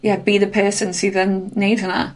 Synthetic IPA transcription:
jɛb̥iðəpʰɜˑsə̃nsiðənːeɪvə̃nə̰ʔ

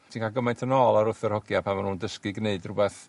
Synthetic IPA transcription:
tʰinkʰaɡəmajntʰənɔːlˠaɾʊθərhɔɡjapʰamanuːndəskɨɡneɨdrʊbɛθ

